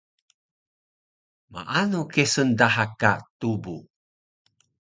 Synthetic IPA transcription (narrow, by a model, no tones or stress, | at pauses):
ma̰ʔanukesəndaɦakat̪ubu